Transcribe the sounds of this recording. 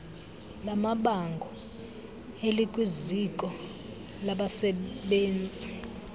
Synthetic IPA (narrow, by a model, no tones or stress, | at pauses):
lamaɓaŋɡʱɔ | elikʼwizikʼɔ | laɓasɛɓeːnd͡zʱi